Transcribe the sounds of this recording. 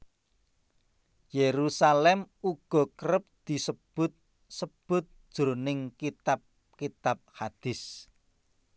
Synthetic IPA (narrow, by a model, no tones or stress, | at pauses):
jeɾusalɛmuɡ̥ɔ̤kəɾəp̚d̪̥i̤səb̥ʊt̪̚ | səb̥ʊ̤t̪̚d̥ʒ̥ɾonɪŋkit̪ap̚ | kit̪ap̚had̪̥ɪ̤s